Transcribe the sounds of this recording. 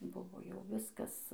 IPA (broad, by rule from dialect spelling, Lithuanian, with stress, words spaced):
ˈbʊʋoː jɛʊ ˈʋʲɪskɐs